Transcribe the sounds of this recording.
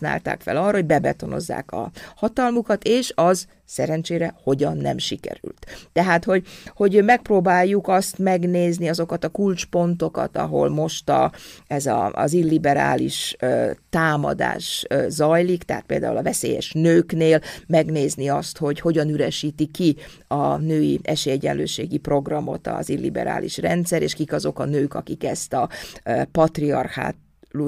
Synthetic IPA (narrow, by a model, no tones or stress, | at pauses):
na̰ːlt̪a̰ːkfɛlɒrːɒɦoɟʲbɛbɛ̰t̪o̞no̞̰zːa̰ːkɒ̰hɒt̪ɒlmukɒt̪eːʃɒz | sɛɾɛnt͡ʃeːɾɛho̞ɟɒnːɛ̰mʃikɛ̰ɾy̰lt̪t̪ɛɦaːt̪ho̞ɟho̞ɟmɛk̚proːbaːjːukɒst̪mɛɡneːzniɒzo̞kɒt̪ɒkult͡ʃpo̞nt̪o̞kɒ̰t̪ɒ̰ɦo̞̰lmo̞ʃt̪ɒɛzɒzilːibɛɾa̰ːlḭʃøt̪aːmɒ̰d̪a̰ːʃzɒjlikt̪ɛɦa̰ːt̪peːld̪a̰ːṵlɒvɛseːjɛ̰ʃnøːkneːlmɛɡneːzniɒst̪ho̞ɟho̞ɟɒnyɾɛʃiːt̪ikːi | ɒnøːiɛʃeːjɛɟɛ̰nløːʃeːɡipro̞ɡrɒmo̞̰t̪ɒ̰zilːḭbɛ̰ɾa̰ːlʔḭʃrɛnt̪sɛɾeːʃkikɒzo̞kɒnøːkɒkikɛst̪ɒpɒt̪riɒ̰rxa̰ː | lu